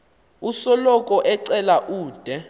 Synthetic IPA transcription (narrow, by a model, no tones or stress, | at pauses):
usɔlɔkʼɔʔɛǀɛlaʔuːd̥ʱɛ